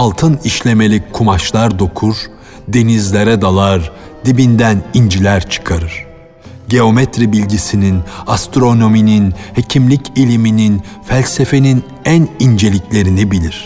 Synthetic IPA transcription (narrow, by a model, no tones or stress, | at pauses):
alˠt̪ʰɯniʃlʲe̞me̞lʲikʰumaʃlˠaɾd̪o̞kʰuɾ | d̪e̞nizlʲe̞ɾɛd̪alˠaɾ | d̪ibind̪ænind͡ʒilʲæɾt͡ʃʰɯ̥kʰaɾɯɾ̥ | ɟe̞o̞met̪ɾibilʲɟisininast̪ɾo̞no̞mininhe̞cʰimlʲicʰilʲiminin | fælʲse̞fe̞nin | ænind͡ʒe̞lʲiclʲe̞ɾinibilʲiɾ̥